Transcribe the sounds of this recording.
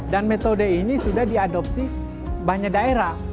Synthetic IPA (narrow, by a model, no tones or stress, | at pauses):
danmet̪odeinisudahdiadɔp̚si | baɲak̚daeɾah